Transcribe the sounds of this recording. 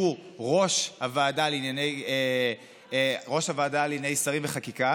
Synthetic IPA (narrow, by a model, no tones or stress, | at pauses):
uʁo̞ʃhavaːdalinjaneje | ʁo̞ʃhavaːdalinejsaʁimveχakika